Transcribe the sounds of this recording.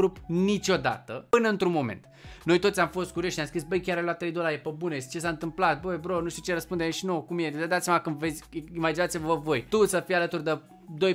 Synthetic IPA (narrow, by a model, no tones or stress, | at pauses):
ɾupnit͡ʃʲo̞d̪a̰t̪əpɨnəɨnt̪ɾunmo̞mḛnt̪ | no̞jt̪o̞t̪sʲjamfo̞st̪̚kuɾʲioʃinjamskɾis̬bəjkʲaɾajloat̪ːɾejd̪olaɾepəbunet͡ʃe̞saɨnt̪ɨmplat̪̚bəbɾonuʃt̪ut͡ʃe̞ɾəspund̪emʃinokumjed̪ad̪at̪sjamakɨnd̪ve̞t̪sʲimad͡ʒinat̪sʲivvəvo̞jt̪usəfijalət̪urʲd̪e | d̪o̞j